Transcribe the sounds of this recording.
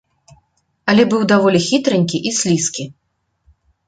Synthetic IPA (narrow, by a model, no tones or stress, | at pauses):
ɐlʲɛbɨwd̪avɔlʲixʲit̪ɾɨnʲkʲiʔisʲlʲiskʲi